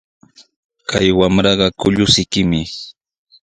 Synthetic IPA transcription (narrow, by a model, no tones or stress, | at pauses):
kʰa̰jwamɾɑɢɑkʊʎʊsɪjkɪmɪ